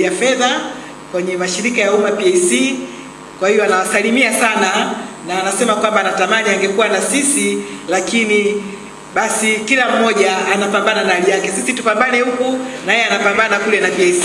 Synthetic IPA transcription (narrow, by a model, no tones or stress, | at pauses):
afɛða | kwɛɲɛmaʃiɾikajaumapiɛjsi | kwahijɔanawasalimiasananaːnasɛmakwambanatamaniaŋɡɛkuwanasisilakini | ɓasikilam̩mɔʄaːnapambananaalijakɛsisitupambanɛhukunajɛanapambanakulɛnapiɛs